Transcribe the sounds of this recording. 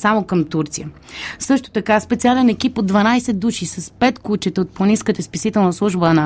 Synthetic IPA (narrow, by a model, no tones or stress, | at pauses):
samokəmt̪uɾt̪sijə | sɤʃt̪o̥t̪ɐkaspɛt̪sialɛnɛkipod̪ːvɐnajsɛd̪ːuʃisɐspɛt̪kut͡ʃɛt̪ɛot̪̚poniskət̪əspisit̪ɛlˠnəslˠuʒbənə